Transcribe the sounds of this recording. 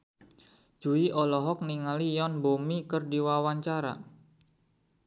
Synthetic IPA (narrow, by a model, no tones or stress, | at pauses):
d͡ʒ̥uiʔɔlɔɦɔk̚niŋalijɔnbomikərdiwawaɲt͡ʃaɾa̰